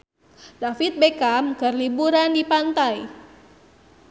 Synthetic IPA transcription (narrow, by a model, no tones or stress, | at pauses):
dafit̪̚bekamkarlibuɾandipant̪aj